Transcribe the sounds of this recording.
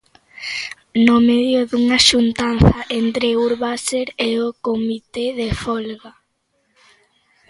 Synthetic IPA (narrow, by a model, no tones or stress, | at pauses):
nomeðjʊðuŋaʃunt̪an̟θaʔent̪ɾeuɾβaseɾeokomit̪eðefɔlɣa